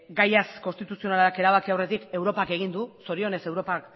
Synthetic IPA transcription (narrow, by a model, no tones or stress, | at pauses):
ɡajasko̞nst̪it̪usio̞nalaake̞ɾaβ̞akiawre̞t̪ike̞wɾo̞pake̞ɣind̪uso̞ɾio̞ne̞se̞wɾo̞pak